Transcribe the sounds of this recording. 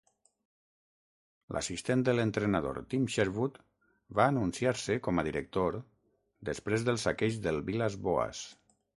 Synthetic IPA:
lʔa̰sist̪end̪ələnt̪ɾenaðo̰ɾt̪imʃeɾβut̪ | βaːnunsiaɾsəkɔməðiɾək̚t̪oɾ | d̪əspɾezðəlˠsakeʒðəlˠβilazβoa̰s

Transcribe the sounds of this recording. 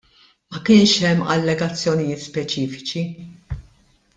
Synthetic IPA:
mɐkɪːnʃɛmːɐ̰lːɛɡɐt͡sːjɔnɪjɪːt̪spɛt͡ʃiːfɪ̥t͡ʃi

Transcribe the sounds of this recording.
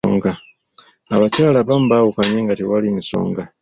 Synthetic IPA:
ŋɡa | aβacaːlaβam̩ubaːwukaɲeːŋɡatiwalinso̞̰ːŋɡa

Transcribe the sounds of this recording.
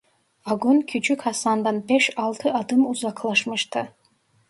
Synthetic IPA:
aɡʷʊnkʲʰid͡ʒʰɪkʰasand̪anbeʃalˠt̪ʰɨad̪ɨmuzakʰlˠaʂmɨʃtʰa

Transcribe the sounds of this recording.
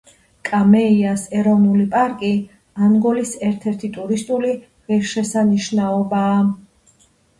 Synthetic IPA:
kʼamɛiasɛɾɔvnulipʼaɾkʼi | anɡɔlisɛɾt̪ʰɛɾt̪ʰit̪ʼuɾist̪ʼuli | ʁiɾʃɛsaniʃnaɔbaː

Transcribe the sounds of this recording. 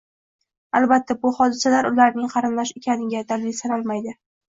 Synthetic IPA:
alˠbat̪ʰːabʊhɒd̪ɪsalaɾʊlaɾnɪŋqʰɑɾɪmlaʃekʲanɪɡʲad̪alɪlsanɒlˠmajd̪ɪ

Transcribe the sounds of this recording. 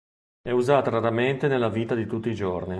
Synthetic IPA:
ɛuzaːt̪aɾaɾament̪enelːaviːt̪ad̪it̪ut̪ːiːd͡ʒorni

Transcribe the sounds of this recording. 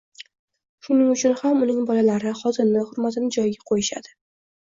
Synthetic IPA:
ʃʊnɪŋʊt͡ʃʰʊnhamʊnɪŋbɒlalaɾɪχɒzɪɾnɪhʊɾmat̪ɪnɪd͡ʒɒjɪɡʲaqʰojɪʃa̰d̪̥ɪ

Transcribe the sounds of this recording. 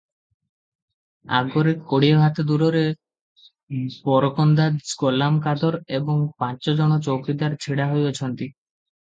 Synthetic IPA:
a̰ɡoɾeɾkoɽieɦat̪ed̪uɾoɾe | bɔɾokɔnd̪aɡolamkad̪ɔɾeboŋpãt͡ʃɔd͡ʑɔɽɔt͡ʃowkɾid̪aɾt͡ɕʰiɽaɦojot͡ɕʰɔnt̪i

